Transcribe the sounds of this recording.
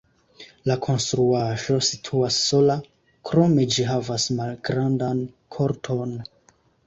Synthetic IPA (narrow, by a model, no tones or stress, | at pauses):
lakʰo̞nstɾuaʒo̞sitʰuasːo̞la | kɾo̞me̞d͡ʒiɦavasmalɡɾandan | kʰoɾtʰo̞n